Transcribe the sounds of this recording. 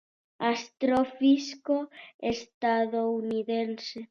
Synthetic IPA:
ast̪ɾofiskoest̪aðouniðense

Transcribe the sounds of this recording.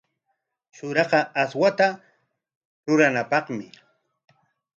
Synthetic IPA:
ʃʊɾɑɢɑaswat̪a | ɾʊɾanapɑχmɪ

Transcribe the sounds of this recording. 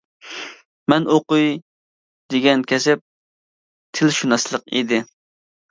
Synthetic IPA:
mɛnoqʊj | d̪ɪɡʲɛnkʲʰɛsɛp̚ | t̪ʰɪlʃunɑslˠəqḭd̪ɪ

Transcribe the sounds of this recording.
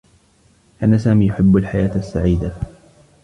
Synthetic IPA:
ʔanːasaːmiːjʊħɪbːalħajaːt̪asːaʕiːd̪a

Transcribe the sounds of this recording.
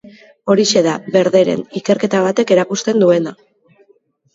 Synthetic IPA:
o̞ɾise̞ðaβe̞ɾðe̞ɾe̞̰nike̞ɾke̞t̪aβ̞at̪e̞ke̞ɾakust̪e̞nd̪ue̞na

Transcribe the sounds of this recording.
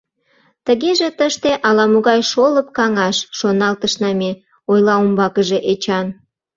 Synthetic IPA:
t̪əɣeʒet̪əʃt̪eʔɑlɑmuɣɑjʃoləp̚kɑŋɑʃʃonɑlt̪əʃnɑmʲe | ojlɑumbɑkəʒe̽ʔet͡ɕɑn

